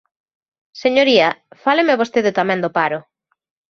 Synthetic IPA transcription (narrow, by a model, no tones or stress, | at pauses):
seɲoɾiɐfalemeaβost̪eðɪt̪amɛ̃nd̪ʊpaɾʊ